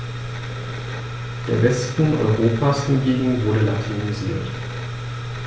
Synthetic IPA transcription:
d̥eːɐvɛstn̩ʔɔ̰ʏʁoːpʰaːshɪnɡeːɡŋ̩vʊɐdəlatʰiniziːɐt

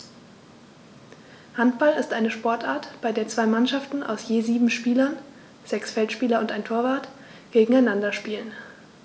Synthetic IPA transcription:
hantb̥alɪstʔaɪnəʃpɔɐtʔaːɐtb̥aɪdeːɐt͡sv̥aɪmanʃaftn̩ʔa̰ʊsjeːziːbm̩ʃpiːlɐn | z̥ɛksfɛltʃpiːlɐʊntaɪntʰoːɐvaːɐt | ɡ̥eːɡŋ̩aɪnandɐʃpiːlən

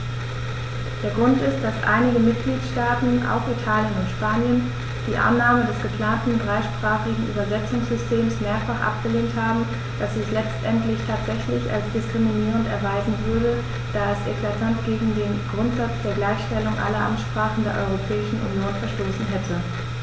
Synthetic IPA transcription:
d̥eːɐɡʁʊntɪst̚d̥asʔa̰ɪnɪɡəmɪt̚ɡ̥liːtʃtaːtn̩ʔa̰ʊxitʰaːljənʊntʃpaːnjən | d̥iːʔa̰nːaːmədɛsɡ̥əpl̥aːntn̩dʁaɪʃpʁ̥aːχɪɡŋ̩ʔy̰ːbɐzɛt͡sʊŋsz̥ʏstʰeːmsmeːɐfaχʔa̰p̚ɡ̥əleːnthaːbm̩ | d̥asɪçlɛt͡stʔɛntlɪçtʰaːtz̥ɛçlɪça̰lsd̥ɪskʁ̥iminiːʁ̞əntɛɐvaɪzn̩vʏɐdə | d̥aːɛsḛkl̥atʰantɡ̥eːɡŋ̩deːnɡ̥ʁʊntz̥at͡sd̥eːɐɡlaɪçʃtɛlʊŋʔa̰lɐʔa̰mtʃpʁ̥aːχn̩deːɐʔɔ̰ʏʁopʰɛːɪʃn̩ʔṵnjoːnfɛɐʃtoːsn̩ɦɛtʰə

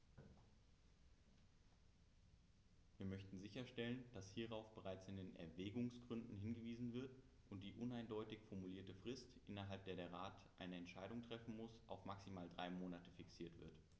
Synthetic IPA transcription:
viːɐmœçtn̩zɪçɐʃtɛlənd̥ashiːʁaʊfb̥əʁaɪt͡sɪndeːnʔɛ̰ɐvɛːɡʊŋsɡ̥ʁʏndn̩hɪnɡəviːzn̩vɪɐt | ʔʊnt̚d̥iːʔʊnaɪndɔʏtɪçfɔɐmuliːɐtəfʁ̥ɪstʔɪnɐɦalp̚d̥eːɐdeːɐʁaːtʔaɪnəɛntʃaɪɾʊŋtʁ̥ɛfn̩mʊsʔaʊfmaksimaːldʁaɪmoːnatə̥fɪksiːɐtv̥ɪ̰ɐt

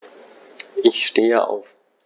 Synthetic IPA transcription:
ʔɪçʃteːəʔa̰ʊf

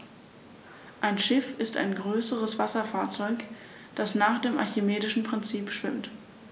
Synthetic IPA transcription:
ʔaɪnʃɪfɪsta̰ɪnɡʁøːsəʁəsv̥asɐfaːɐt͡sɔʏk | d̥asnaːχd̥eːmʔa̰ɐçemeːdɪʃn̩pʁ̥ɪnt͡siːpʃv̥ɪmt

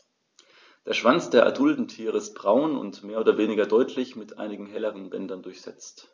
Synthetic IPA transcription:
d̥eːɐʃv̥ant͡sd̥eːɐʔa̰dʊldn̩tʰiːʁəɪst̚b̥ʁaʊnʊ̰ntmeːɐoːdɐveːnɪɡɐdɔʏtʰlɪçmɪtʔa̰ɪnɪɡŋ̩ɦɛləʁənbɛndɐndʊɐçz̥ɛt͡st

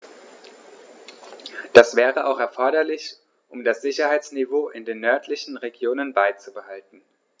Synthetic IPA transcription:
d̥asv̥ɛːʁəʔa̰ʊχɛɐfɔɐɾɐlɪç | ʔʊmdasz̥ɪçɐhaɪt͡snivoːʔɪndeːnːœɐtʰlɪçn̩ʁeɡjoːnənbaɪt͡subəhaltn̩

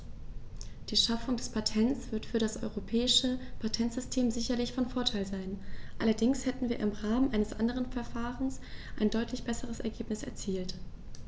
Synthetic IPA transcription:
d̥iːʃafʊŋdɛspʰatʰɛnt͡sv̥ɪɐtfyːɐdasʔɔ̰ʏʁopʰɛːɪʃəpʰatʰɛntz̥ʏstʰeːmzɪçɐlɪçfɔnfoːɐtʰaɪlzaɪnʔalɐdɪŋshɛtn̩viːɐʔɪmʁaːmənʔaɪnəsʔandəʁ̞ənfɛɐfaːʁənsʔaɪndɔʏtʰlɪçb̥ɛsəʁ̞əsɛɐɡeːpnɪsɛ̰ɐt͡siːlt

